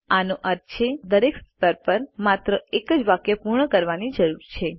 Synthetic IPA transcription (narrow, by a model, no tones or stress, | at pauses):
anoʔəɾt̪t͡ʃʰed̪əɾekst̪əɾpəɾmat̪ɾəekəd͡ʒʋakjəpuɾɳəkəɾʋanid͡ʒəɾuɾt͡ʃʰe